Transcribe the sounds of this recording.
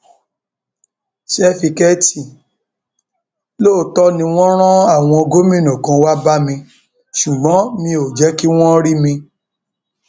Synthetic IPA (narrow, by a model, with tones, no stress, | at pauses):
ʃɛ˦fi˧kɛ˦ti˨ | loː˦˨tɔ˦nĩ˧w̃ɔ̃˦ɾ̃ã˦a˦˨w̃ɔ̃˧o˧ɡo˦mĩ˦nɔ̃˨kã˨˧wa˦ba˦mĩ˧ | ʃu˨ɡ͡bɔ̃˨˦mĩ˧o˨d͡ʒɛ˨˦ki˦w̃ɔ̃˦ɾi˦mĩ˧